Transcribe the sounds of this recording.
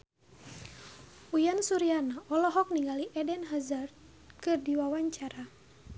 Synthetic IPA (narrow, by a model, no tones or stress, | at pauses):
ujansuɾianaʔɔlɔɦɔk̚niŋɡaliʔɛdɛnɦazart̪̚ | kɨrdiwawaɲt͡ʃaɾa